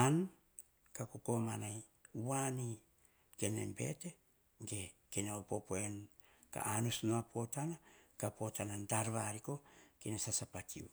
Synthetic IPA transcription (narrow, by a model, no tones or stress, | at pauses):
an | kakoko̞manaj | wani | kenḛmbe̞̰te̞ | ŋɡe | kenaopo̞poen | ka̰ʔanusnoapʰo̞tanakapo̞tanandaɾβaɾiko̞kenasasapat͡ʃiu